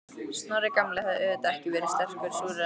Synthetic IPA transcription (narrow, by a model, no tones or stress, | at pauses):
snaɾɪkamlɛhðɛðɛt̪aɛhcɪvɛːɾɪst̪ɛr̥kvʏɾsuɾ